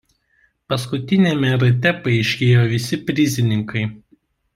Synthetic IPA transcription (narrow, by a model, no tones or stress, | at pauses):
pɐskʊt̪ʲɪnʲemʲɛɾɐt̪ʲɛpɐɪʃʲkʲeːjoːʋʲɪsʲɪpʲɾʲɪzʲɪnʲɪŋkɐɪ